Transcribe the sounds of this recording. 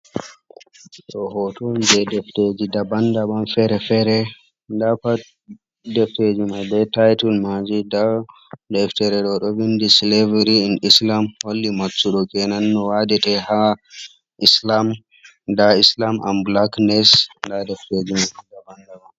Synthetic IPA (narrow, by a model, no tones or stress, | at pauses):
ɗɔɦɔtɔnd͡ʒɛdɛfted͡ʒidabandaɓanfɛɾɛfɛɾɛ | ndapa | dɛfted͡ʒimabɛtajtulmad͡ʒidadɛftɛɾɛɗɔɗɔwindislevɾiinislamholːimasːuɗɔkɛnanːɔwadɛtɛha | islam | daislamʔa̰mblaknɛsndadɛfted͡ʒimaɛdabandaɓan